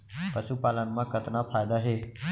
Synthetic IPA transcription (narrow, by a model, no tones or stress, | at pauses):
pəʃupaːlənmãkət̪napʰaːjd̪aɦeː